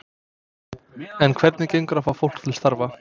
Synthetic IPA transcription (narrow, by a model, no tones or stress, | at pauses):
ɛnkʰvɛɾt̪nɪceɥŋkɾafawfowl̥t̪ʰɪlst̪aɾva